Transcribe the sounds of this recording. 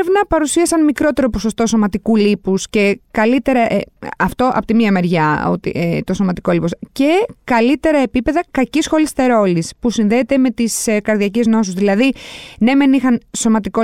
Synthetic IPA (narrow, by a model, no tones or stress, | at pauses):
evnɐpɐɾusiɐsɐnmikɾo̞t̪e̞ɾo̞po̞so̞st̪o̞so̞mɐt̪ikulipusce̞kɐlit̪e̞ɾɐʔeɐft̪o̞ʔɐ̰pot̪imiɐme̞ɾʝɐo̰t̪ḭet̪o̞somɐt̪i̥ko̞lipo̞sce̞kɐlit̪e̞ɾɐe̞pipe̞ðɐkɐcisxo̞list̪e̞ɾo̞lispusinðeːt̪e̞me̞t̪iskɐɾðiɐce̞zno̞suzðilɐðine̞me̞nixɐnso̞mɐt̪iko